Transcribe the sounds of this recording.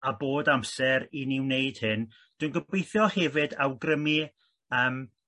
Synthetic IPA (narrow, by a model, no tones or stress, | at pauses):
aboːdamsɛɾinɪwnejd̥hɨn | d̥wɨnɡəbejθjɔhɛvɨdawɡrəmi | əːm